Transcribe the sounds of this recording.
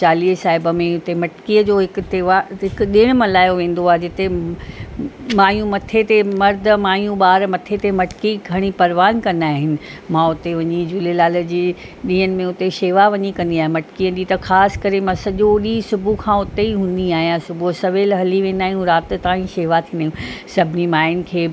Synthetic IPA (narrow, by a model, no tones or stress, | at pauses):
t͡ɕaːliːsaːɦɪbə̆mẽʊt̪emɐʈkiːəd͡ʑoːɦɪkt̪eːʋaɦɪk̆ɗɪ̃ɽ̃mɐlaːjoʋẽːn̆d̪oaːɦed͡ʑɪt̪e | maːjũmɐt̪ʰet̪emɐɾd̪̆ʱmaːɦijũɓaːɾmɐt̪ʰet̪emɐʈɪ̥kiɡʱɐɽ̃ipɐɾʋaːnkɐ̃naːɦɪnɪ̆mãʊt̪eʋɐɲid͡ʑulelaːlə̆d͡ʑiː | ɗĩːənɪ̆mẽʊt̪eʃeːʋaʋɐɲikɐ̃nd̪iaːɦẽmɐʈkiə̃ɗit̪ɐxʰaːskɐɾemãsɐʄoɗiːsʊbʱukʰãːʊt̪eiɦũːnd̪iaːɦijãsʊbʱusɐʋeːlɦɐliʋẽːnd̪aːɦjũɾaːt̪̆t̪aːĩʃeːʋat̪ʰĩːnd̪ajũsɐbʱɪnimaːɪnɪ̆kʰeː